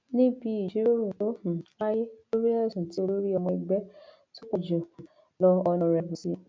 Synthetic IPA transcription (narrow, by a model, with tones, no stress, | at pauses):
nĩ˦bi˧˦i˨d͡ʒi˨˦ɾo˦ɾo˨ɔ̃˦˨a˦je˦lo˦ɾi˦ɛ˦ɛ˦˨sũ˨ti˨˦o˧lo˦ɾi˦ɔ˧mɔ̃˧i˧ɡ͡bɛ˦ | to˦ko˦d͡ʒɔ̃˨ | lɔ˧ɔ˧nɔ̃˧ɾɛ˨bũ˨si˨˧˦